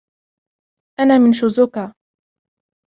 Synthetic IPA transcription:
ʔanaːmɪnʃʊzʊkaː

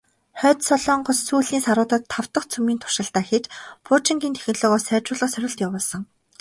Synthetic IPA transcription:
χœːt̪sɔɮɔːɴɢɔssuːɮniːnsaɾʊːt̪ə̆t̪ʰːaw̥t̪ə̆χt͡sʰumiːnt̪ʰʊ̥ʃə̆ɬt̪aːxet͡ɕpʰʊt͡ɕĭŋɡʲiːnt̪ʰe̥xʲɪ̆nɮʊːʁɔːsæːt͡ɕʊːɮə̆χsœɾʲɪ̆ɬt̪jawʊːɮsɞ̆ŋ

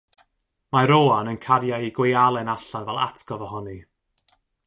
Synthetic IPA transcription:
maɾoːanənkʰaɾjaiɡwejalˠɛnaɬanvɛlˠa̰tʰkɔvɔhɔni

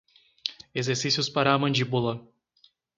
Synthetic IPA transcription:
ezeɾsisjʊspaɾɐːmɐ̃nd͡ʒibulˠɐ

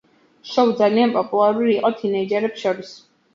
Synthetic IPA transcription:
ʃɔwd̪zalianpʼɔpʼulˠaɾuliːqʼɔt̪ʰinɛid͡ʒɛɾɛpsʃɔɾis

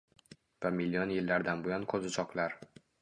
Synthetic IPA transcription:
vamɪlːijɒnjɪlːaɾd̪anbojɒnkʰɵzɪt͡ʃʰɒklaɾ

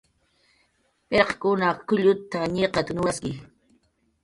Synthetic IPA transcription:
pʼeqkʊnakʊʎʊt̪aɲeqɑt̪anʊwaskɪ

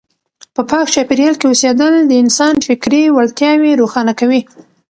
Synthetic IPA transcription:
pəpɑkt͡ʃɑpeɾjɑlkeosed̪əld̪əɪnsɑnfɪkɾewalt̪jɑweɾoxɑnakawi

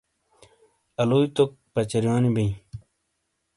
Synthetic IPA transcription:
ɐloːit̪ok̚pɐt͡ɕɐɾijaːnibiĩ

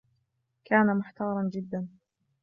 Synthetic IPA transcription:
kaːnamʊħt̪ɑːɾˤɑnd͡ʒɪd̪ːan

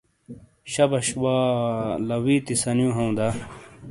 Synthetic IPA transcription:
ɕɐbɐɕwaːlɐwiːt̪isɐnjũɦɐũd̪a

